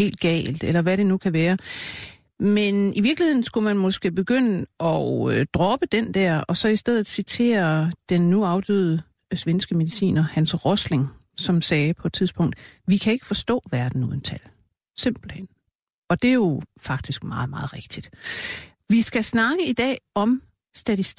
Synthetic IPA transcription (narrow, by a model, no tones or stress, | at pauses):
he̝̰ːld̥ɡ̥ɛ̰ːld̥elɐʋæɾe̝nukʰæʋæːɐ | meniʋiɐɡ̥lihe̝ð̰ˠn̩sɡ̥umænmɒ̽sɡ̥e̝̰ːb̥e̝ɡ̥øn̰əɒ̽ød̥ʁɒ̽b̥əd̥end̥æɐ̰ɒ̽sɒ̽isd̥eð̰ˠð̩ˠsit͡sʰe̝̰ːɐd̥enːuɑ̈ʊd̥yðˠə | sʋensɡ̥əme̝ðˠisḭːnɐhænsʁɔsle̝ŋ | sɒ̽msɛːpʰɒ̽ed̥̚t͡sʰiðˠsb̥ɔ̽ŋ̰d̥ʋikʰæe̝ɡ̥ə̥fɒ̽sd̥ɔ̰̽ːʋæɐd̥n̩uðˠn̩t͡sʰæl | se̝m̰b̥l̩hen̰ | ɒ̽d̥e̝jo̝fɑ̈ɡ̥̚d̥isɡ̥mɑ̈ːð̞̩ˠmɑ̈ːð̞̩ˠʁeɡ̥̚d̥id̥ | ʋisɡ̥æsnɑ̈ɡ̥əid̥ɛ̰ːɒ̽m | sd̥æt͡sʰisd̥